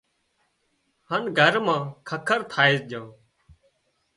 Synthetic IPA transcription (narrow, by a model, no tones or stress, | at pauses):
hanɡʱəɾmãːkʰəkʰəɾt̪ʰaːeːsd͡ʒãː